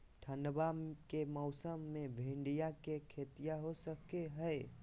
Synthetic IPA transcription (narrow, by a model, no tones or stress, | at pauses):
ʈʰənbakemɔwsəmːebʱĩɳɖijakekʰet̪ijaɦosəkeɦəj